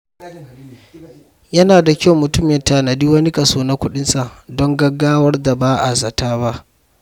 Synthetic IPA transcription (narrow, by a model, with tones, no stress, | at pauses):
jɐ˦naː˨da˨kʲa˦wmʊ˨tʊ˦mɛ˨ntaː˨na˨diː˦wɐ˦ni˦kʼɐ˨soː˦na˦kʷʊ˦ɗɪ˦nsa˨dɔ˦ŋɡɐ˦ɡːaː˦wɐ˦rda˨baː˦ʔa˨zɐ˨taː˦ba˦ʔ